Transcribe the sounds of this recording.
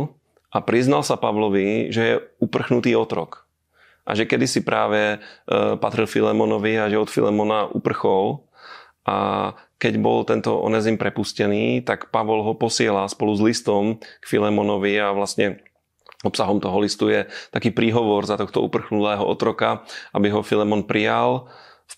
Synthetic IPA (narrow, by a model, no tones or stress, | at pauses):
ʔapɾiznalsapaʋlɔʋiʒɛjɛupr̩xnut̪iːɔt̪ɾɔ̰k | ʔa̰ʒɛkɛd̪isipɾʔaːʋɛ | pat̪ɾilfilɛmɔnɔʋiaʒɛɔt̪fḭlɛmɔnaʔupr̩xɔl | ʔa̰kɛɟbɔlt̪ɛnt̪ɔ̰ʔɔ̰nɛzimpɾɛpuscɛniːt̪akpaʋɔlɦɔpɔsɪɛlalspɔluzlist̪ɔmkfilɛmɔnɔʋiaʋlast̪ɲɛ | ɔpsaɦɔmt̪ɔɦɔlist̪ujɛt̪akiːpɾiːɦɔʋɔɾzat̪ɔxt̪ɔ̰ṵpr̩xnut̪ɛːɦɔʔɔt̪ɾɔkaʔabiɦɔfilɛmɔnpɾijal